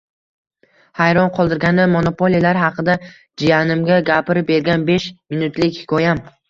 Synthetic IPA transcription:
hajɾɒnqʰɒlˠd̪ɪɾɡʲanɪmonopʰolijlaɾɦɑqʰɨd̪a | d͡ʒijanɪmɡʲaɡʲapɪɾɪp̚be̞ɾɡʲanbeʃmɪnʊt̪lɪkʲhɪ̥kʰɒjam

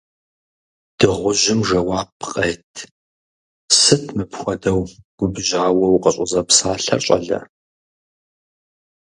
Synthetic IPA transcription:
d̥ɨʁʷʊʒɪmʒɐwaːpqʼeːtʰ | sɨtʰmɨpxʷɔdɐwɡ̥ʷʊbʒaːwɐwqʼəɕʼʊzɐpsaːɬɐ̰rɕʼɐ̰ɮɐ̰

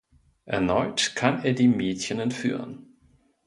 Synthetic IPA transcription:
ʔɛɐnɔʏtkʰaneːɐdiːmeːtçənɛntfy̰ːʁə̰n

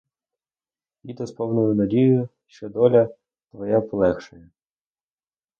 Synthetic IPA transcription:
ʋʲid̪ɔspɔwnʊjʊnɐdʲijʊ | ʃt͡ʃɔd̪ɔlʲɐ | t̪ʋɔjapɔlˠɛxʃɔjɛ

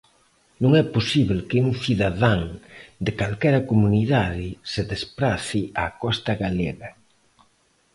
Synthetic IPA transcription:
nũŋɛposiβlkeuŋθiðaðaŋd̪ekalkɛɾɐkomuniðaðɪseðespɾaθiakɔst̪ɐɣaleɣɐ

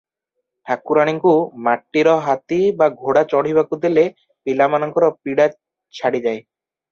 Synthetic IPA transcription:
ʈʰakuɾaɽ̃iŋkumaʈːiɾɔɦat̪ibaɡʱoɽat͡ʃɔɽ̤iβakud̪ele | pilamanɔŋkɔɾɔpiɽa | t͡ʃʰaɽid͡ʒaj

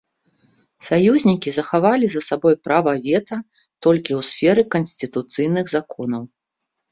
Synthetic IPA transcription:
sajuzʲnʲikʲizɐxavalʲizɐsabɔjpɾavɐvʲɛt̪ɐ | t̪ɔlʲkʲiuwsfʲɛɾɨkɐnsʲt̪ɨt̪ut̪sɨjnɨɣzakɔnɐw

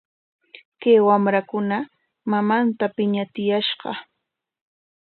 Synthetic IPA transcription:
kajwamɾakʊna | mamant̪apɪɲat̪ɪjaʃɢɑ̰

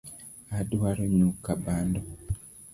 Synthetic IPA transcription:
aduwaɾoɲukabaːndo

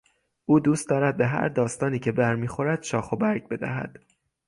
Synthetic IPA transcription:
ʔuːd̪uːst̪d̪ɒːɾæd̪̚be̞ɦæ̰ɾd̪ɒːst̪ɒːniːcʰe̞bæɾmiːxo̞ɾæd̪̥ʃɒːxo̞bæɾɡ̚be̞d̪æ̰ɦæ̰d̪̥

